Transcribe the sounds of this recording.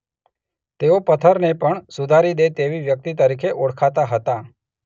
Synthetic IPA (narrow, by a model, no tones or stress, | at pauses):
t̪eopət̪ʰəɾnepəɳsud̪ʱaɾid̪et̪eʋiʋjək̚t̪it̪əɾikʰeʔoɽkʰat̪aɦət̪a